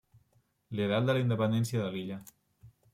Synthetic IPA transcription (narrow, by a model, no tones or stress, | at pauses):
liəɾald̪əlaind̪əpənd̪ɛnsiəðəliʎə